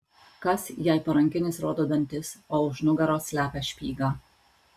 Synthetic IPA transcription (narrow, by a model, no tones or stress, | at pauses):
kɐsjɛɪpɐɾɐŋʲkʲɪnʲɪsɾoːd̪oːd̪ɐnʲt̪ʲɪsoːʊʒnʊɡɐɾoːsʲlʲæːpʲɛʃʲpʲiːɡɑː